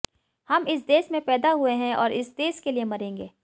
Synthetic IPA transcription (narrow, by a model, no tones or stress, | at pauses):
hɐmɪs̬d̪eːʃmẽpɛːd̪aɦueɦɛ̃ɔːɾʔɪsd̪eːʃkeliemɐɾẽːŋɡeː